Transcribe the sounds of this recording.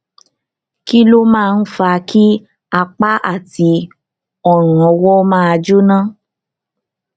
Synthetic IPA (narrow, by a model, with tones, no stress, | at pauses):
ki˦lo˦mãː˦˨˧n̩˦fa˧kʰi˦ | a˧k͡pa˦ʔa̰˦˨ti˧ | ɔ˦˨ɾ̃ɔ̃˨˧wɔ˦mãː˦a˧d͡ʒu˦nã˦